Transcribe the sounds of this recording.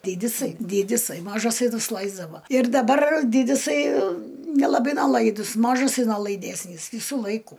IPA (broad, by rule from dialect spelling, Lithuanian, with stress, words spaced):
ˈdʲiːdʲɪsɐɪ ˈdʲiːdʲɪsɐɪ ˈmɑːʒɐsɐɪ nʊsˈlˠɐɪzdɐʋoː ɪr dɐˈbɐr ˈdʲiːdʲɪsɐɪ nʲɛlˠɐˈbɐɪ nʲɛˈlˠɐɪdʊs ˈmɑːʒɐsɐɪ noːlˠɐɪˈdʲæːsʲnʲiːs ˈʋʲiːsuː ˈlˠɐɪkʊ